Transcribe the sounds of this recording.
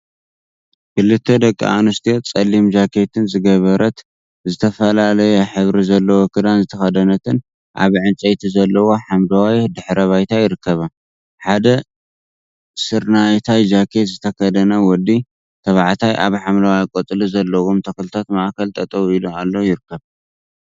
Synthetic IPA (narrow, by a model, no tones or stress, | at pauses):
kʰɨlːɨt̪ʰːed̪ɐkʼːḭʔa̰nust̪ʰet͡sʼɐlimd͡ʒakʰe̞t̪ʰɨnzɨɡɐβɐɾɐt̪ | zɨt̪ʰɐfɐlalɐjɛħɨβɾizɐlːɐwokʰɨd̪anzɨt̪ʰɐxɐd̪ɐnɐt̪ʰɨn | ʔa̰βʕɨnt͡ʃʼɐjt̪ʰizɐlːɐwo̞ħamlɐwajd̪ɨħɾɐβajt̪ʰajɪɾɨkʰːɐβa | ħad̪ɐ | sɨɾnajt̪ʰajd͡ʒakʰet̪zɨt̪ʰɐkɐd̪ɐnɐwɔd̪ːi | t̪ʰɐβaʕt̪ʰajʔaβħamlawajkʼot̪ʼɨlizɐlːɐwomt̪ʰɐkɨlɨt̪ʰat̪maʔkʰɐlt̪ʼɐt̪ʼɐβilomalːojɪɾɨkʰːɐβ